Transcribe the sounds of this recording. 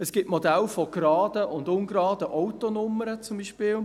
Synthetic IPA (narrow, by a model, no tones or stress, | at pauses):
əsɡ̥ɪtmodælfoɡ̥rɑːd̥əʔʊndʊnɡrɑːd̥əʔɔwtonʊməɾət͡sʊmbiʃpɪːl